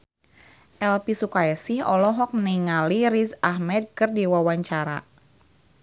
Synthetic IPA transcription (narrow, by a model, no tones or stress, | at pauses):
ʔɛlpisukaɛsihɔlɔɦɔk̚niŋaliɾisahmɛd̚kərdiwawaɲt͡ʃaɾa̰